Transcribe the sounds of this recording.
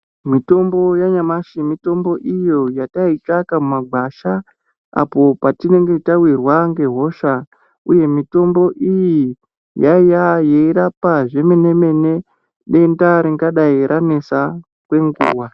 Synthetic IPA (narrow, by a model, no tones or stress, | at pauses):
mito̞mbo̞jaɲamaʃimito̞mbo̞ʔijo̞jatait͡ʃakamumaɡʱwaʃa | a̰po̞patine̞ŋɡe̞tawirwaŋɡe̞ɦo̞ʃa | uje̞mito̞mbo̞ʔiji | jajajeiɾapaʐe̞me̞ne̞me̞ne̞ | ɗe̞ndaɾiŋɡaɗaiɾʔane̞sa | kwe̞ŋɡṵːwa